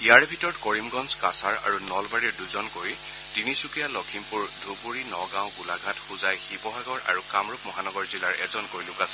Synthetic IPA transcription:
iaɹbʱitɔɹɔtkɔɹimɡɔnskasaɹa̰ɹunɔlbaɹɛɹduzɔnkoɹj | tinisukijalɔkʰimpuɹdʱubuɹinɔɡaw̃ɡulaɡʱatxuzajxipɔɦaɡɔɹa̰ɹukamɹuk̚mɔɦanɔɡɔɹzilaɹɛ̰zɔnkoɹjlʊkasɛ̥

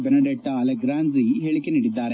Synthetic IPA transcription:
benɐɖeʈːɐːlɐɡɾaːnziɦeɭikʲːɐniɽid̪ːaːɾe

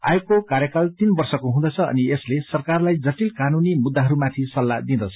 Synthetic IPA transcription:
a̰jokːokaɾjʌkalt̪inbʌrsʌkoɦũd̪ʌt͡sʰʌʌ̰nieslesʌrkarlajd͡zʌʈilkanunimud̪ːaɦʌɾumat̪ʰisʌlːad̪id̪ʌt͡sʰʌ

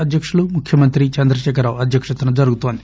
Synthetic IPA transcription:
ɐd̪ʱjɐkʂulumukʰjɐmɐnt̪ɾit͡ʃɐnd̪ɾɐʃɛːkɐɾaːʋɐd̪ʱjɐkʂɐt̪ɐnɐd͡ʒɐɾuɡut̪oːnd̪i

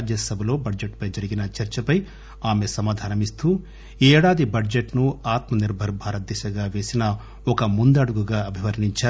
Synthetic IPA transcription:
d͡ʒjɐsɐbʱɐlo̞ːbɐɖd͡ʒeʈpɐjd͡ʒɐɾiɡinɐt͡ʃɐɾt͡ʃɐpɐj | aːme̞sɐmaːd̪ʱaːnɐmist̪uː | ɛːɽaːd̪ibɐɖd͡ʒeʈnuaːt̪mɐniɾbʱɐɾbʱaːɾɐt̪ːɛʃɐɡaːʋe̞ːsinɐ | ɔkɐmund̪ɐɽuɡuɡaːɐbʱiʋɐɾniɲt͡ʃaː

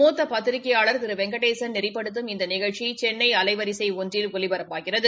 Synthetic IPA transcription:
oːt̪ːɐpɐt̪ːɪɾɪkːɐjaːɭɐɾt̪ɪɾɯʋɛŋɡɐʈeːsɐnnɪrɪpːɐɽɯt̪̬ːɯmɪnd̪ɐnɪɣɐɻt͡ʃit͡ʃɛnːɐɪɐlɐɪʋɐɾɪsɐɪɔndrɪlʊɭɪbɐɾɐpːaːɣɪrɐðɯ

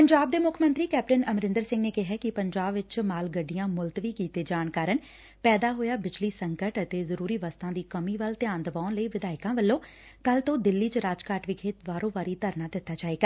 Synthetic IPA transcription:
pəɲd͡ʒaːb̚d̪eːmʊkʰːmənt̪ɾiːkɛːp̚ʈənəmɾɪ̃nd̪əɾsɪ̃ŋɡneːkɪɦaːkɪpəɲd͡ʒaːbʋɪt͡ʃmaːlɡəɖːijãːmʊlt̪ʋiːkiːt̪eːd͡ʒaːɳkaːɾən | pɛːd̪aːɦoːjaːbɪt͡ʃliːsəŋkəʈət̪eːzəɾuːɾiːʋəst̪ãːd̪iːkəmiːʋəlt̪ɪjaːnd̪əʋaːnləiːʋɪd̪aːɪkãːʋəlːõː | kəlt̪õːd̪ɪlːiːt͡ʃəɾaːd͡ʒkaːʈʋikʰeːt̪ʋaːɾõːʋaːɾiːt̪əɾnaːd̪ɪt̪ːaːt͡ʃaːeːɡaː

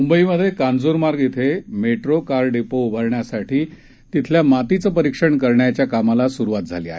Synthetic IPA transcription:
mumbəiməd̪ʱːjekand͡zoɾmaɾɡit̪ʰemeʈɾokaɾɖepoubʱəɾɳjasaʈʰiː | t̪it̪ʰljamat̪it͡səpəɾikʂəɳkəɾɳjat͡ɕjakamalasuɾuʋat̪̚d͡zʱaliaɦe

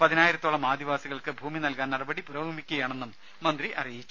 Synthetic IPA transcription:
pɐðinaːjiɾɐt̪ːoːɭɐmaːd̪ʱiʋaːsiɣɐɭkɨbʱuːminɐlkaːnɐɽɐbɐɽipuɾɐbʱuːmikʲːuɣɐjaːɳe̞nːumː | ɐnd̪riʔɐ̰rijit͡ɕːu̥

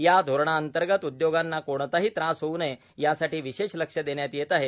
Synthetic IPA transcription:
jad̪ʱoɾɳ̃aənt̪əɾɡət̪ud̪joɡanːakoɽ̃t̪aɦiːt̪ɾãsɦoune | jasaʈiːʋiɕeʃləkʂəd̪eɳjat̪jet̪aɦe

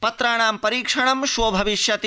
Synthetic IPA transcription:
pɐt̪ɾaːɳaːmpɐɾiːkʂɐɳɐmʃʋobʱɐʋiʃjɐt̪i

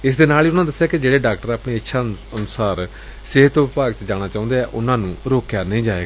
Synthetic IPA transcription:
ɪsd̪eːnaːliːʊnãːd̪əsːjaːkɪd͡ʒeːɽeːɖaːk̚ʈəɾaːpniːətːʃʰa | ənʊsaːɾ | sɪɦət̪ʋɪpaːɡt͡ʃd͡ʒaːɽ̃aːt͡ʃãːʊ̃nd̪eːɛːʔʊnãːnũːɾoːkjaːnəĩːd͡ʒaːeːɡaː

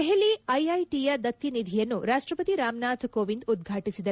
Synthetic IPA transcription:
eɦeliɐjɐjʈijɐd̪ɐt̪ːinid̪ʱijɐnːuɾaːʂʈɾɐpɐt̪iɾaːmnaːt̪ʰkoːʋind̪ud̪̚ɡʱaːʈisid̪ɐ

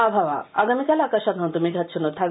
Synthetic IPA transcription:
abʱaʋa̰a̰ɡamikalakaʃat̪ɦant̪umiɡʱat̪ɕunot̪ʰa

